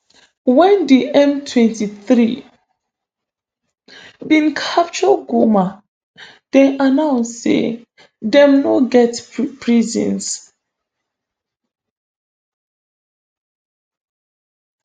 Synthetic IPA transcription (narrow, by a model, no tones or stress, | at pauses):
wɛ̃ndiʔɛ̃mtʰwɛ̃ntiθɹi | bĩnkʰap̚t͡ʃɔɡoma | d̥ɛʔanãʊnssḛ | dɛ̃mnoɡɛtpɹizḭ̃ns